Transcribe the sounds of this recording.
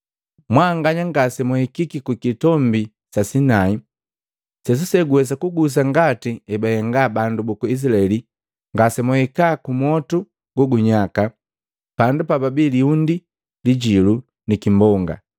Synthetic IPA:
mwaŋɡaɲaŋɡasɛmuhikikikukitɔmbi | sasinai | sɛs̬usɛɡuɛs̬akuɡus̬aŋɡatiɛbahɛŋɡabandubukuis̬ilaɛli | ŋɡasɛmuhɛkakumɔtu | ɡ̥uɡuɲaka | pandupababiliundi | liɟilu | nikimbɔŋɡa̰

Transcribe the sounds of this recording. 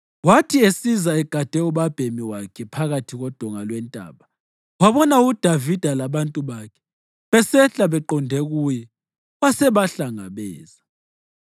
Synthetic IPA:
watʰiesizaɛɡ̥ʱad̥ʱɛuɓab̥ʱemiwakʰɛpʰaɣatʰiɣɔd̥ʱɔŋalwɛntʼa̰ːɓa | waβɔnaud̥ʱavid̥ʱalaβantʼuβakʰɛ̥ | βɛsɛɬaβɛǃɔndʱɛɣujɛ | βasɛβaɬaŋa̰βɛːza

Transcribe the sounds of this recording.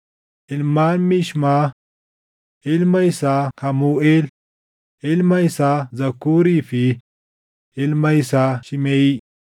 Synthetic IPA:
ʔɪlmaːnmɪʃma | ʔɪlmɐjsahɐmuːʔeːl | ɪlmɐjsazɐkːuːɾiːfɪ | ɪlmɐjsaʃɪmeːi

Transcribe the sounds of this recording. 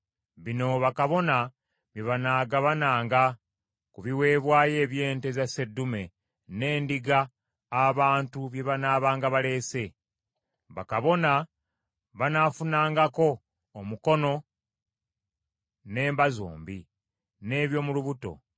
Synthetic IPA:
βino̞βakaβo̞na | βjeβanaːɡaβanaːŋɡa | kuβiwe̞ːβwaːje̞ːβje̞ːnte̞zase̞dːume̞ | ne̞ːndiɡaː | βaːntuβje̞βanaːβaːŋɡaβale̞ːse̞ | βa̰kaβo̞na | βanafunaːŋɡako̞ː | muko̞no̞ | ne̞ːmbazo̰ːmbi | ne̞ːβjo̞muluβuto̞̰

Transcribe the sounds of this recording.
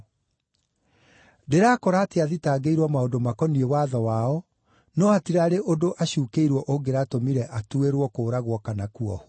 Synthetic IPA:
deɾaːkɔɾateaðitaːɡeiɾwamaodomakɔniewaðɔwaɔ | nɔatiɾaɾeʔodoʔaɕuːkeiɾwɔʔoɡeɾatomiɾɛʔatueɾwɔkoːɾaɣwɔkanakuɔ̰h

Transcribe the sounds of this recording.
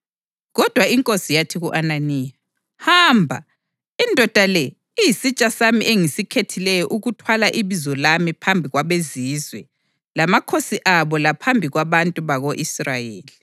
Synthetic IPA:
ɣɔd̥ʱwaiŋkʼosijatʰiɣuʔananiːja | haːmbʱa | indʱɔd̥ʱalɛ | ijisit͡ʃʼasamiʔeŋisikʰetʰilɛjɔʔuɣutʰwalaʔiβizɔlamipʰambʱiɣwaβezizwɛ | lamakʰosiʔaβɔlapʰambʱiɣwaβantʼuβaɣoʔisrajeːli

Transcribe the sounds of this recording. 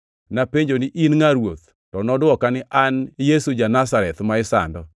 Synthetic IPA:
napeɲd͡ʒonɪʔinŋaɾwot̪ | tɔnɔdwɔkanɪʔanjesud͡ʒanasaɾɛt̪maɪsa̰ndɔ

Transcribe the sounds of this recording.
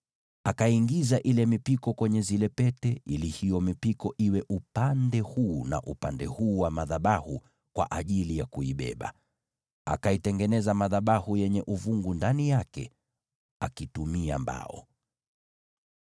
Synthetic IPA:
akaiŋɡizaʔilɛmipikɔkwɛɲɛzilɛpɛtɛʔilihijɔmipikɔʔiwɛʔupandɛhuːna̰ʔupandɛhuːwamaðaɓahu | kwa̰ʔaʄilijakuiɓɛ̰ɓa̰ | a̰kaitɛŋɡɛnɛzamaðaɓahujɛɲɛʔuvuŋɡundanijakɛ̰ | akitumia̰mba̰ɔ̰

